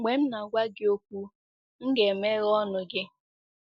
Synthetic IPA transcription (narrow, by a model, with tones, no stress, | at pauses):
ɡ͡be˨m̩˦na˨ɡʷa˦ɡɪ˦o˦kʷu˦ | ŋ̩˦ɡe˨me˦ɣɔ˦nʊ˨ɡɪ˦